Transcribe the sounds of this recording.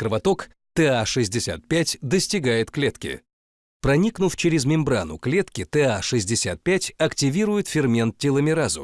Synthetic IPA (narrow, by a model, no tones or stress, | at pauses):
kɾəvɐt̪ok | t̪ɛaʂɨzʲdʲɪsʲa̰t̪̚pʲætʲd̪əsʲtʲɪɡajɪt̪klʲet̪kʲɪ̰ | pɾɐnʲiknʊft͡ɕɪɾʲɪzmʲɪmbɾanʊklʲe̞t̪kʲɪt̪ɛaʂɨzʲdʲɪsʲat̪̚pʲætʲɐktʲɪvʲiɾʊjɪt̪fʲɪrmʲe̞nt̪̚tʲɪlˠəmʲɪɾazʊ̰